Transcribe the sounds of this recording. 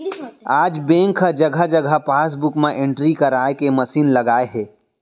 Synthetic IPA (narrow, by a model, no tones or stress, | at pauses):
ad͡ʒbẽŋkʰəd͡ʒəɡʱəd͡ʒəɡʱəpaːs̬bukmẽʔeɳʈɾikəɾaekeməsiːnləɡaːeɦɛ